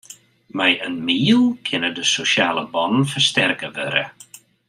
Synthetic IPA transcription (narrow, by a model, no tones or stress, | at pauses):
mɛjənmiːlˠkʰɪnədəsoʃaːlˠə̰bɔnənfərstɛrkəʋø̰ɾə̰